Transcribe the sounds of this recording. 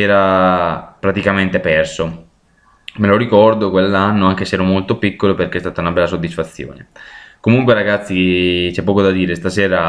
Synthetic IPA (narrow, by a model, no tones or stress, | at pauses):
ɛːɾa | pɾat̪ikament̪epɛrso | meloɾikɔrd̪okwelːanːoaŋk̟eseɛːɾomolt̪opikːoloperk̟eɛst̪aːt̪aunabɛlːasod̪ːisfat̪sːjo̰ːnḛkomuŋkweɾaɡat̪sːit͡ʃɛpːɔːkod̪ad̪iːɾest̪asɛːɾa